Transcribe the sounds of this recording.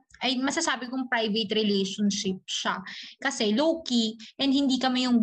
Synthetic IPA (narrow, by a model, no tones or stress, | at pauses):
ʔɐjmɐsɐsaːbɪkʊŋpɾajvɛt̪ɾɛlɛjʃonʃɪp̚ʃakɐsɛloːkiʔɛnd̪hɪnd̪iːkɐmɛjʊŋ